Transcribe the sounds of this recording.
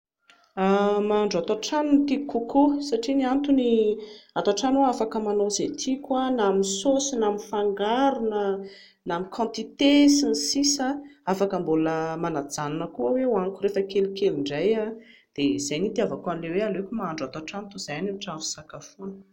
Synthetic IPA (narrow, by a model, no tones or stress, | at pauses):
amaːɳɖ͡ʐat̪aʈ͡ʂanunt̪ikukʰosaʈ͡ʂiniant̪uniat̪aʈ͡ʂanoafakəmanozet̪ʰikʲanaminsosinaminfaŋɡaɾunə | namikʰɑ̃nt̪it̪esinisisaafakəmboləmanad͡zananəkuəwewaŋkuɾefəkelikeliɳɖ͡ʐaja | d̪̥ez̥ajnit̪iavakuanilewealekʲumaaɳɖ͡ʐat̪aʈ͡ʂanit̪uz̥ajaniʈ͡ʂavu̥sakafunə̥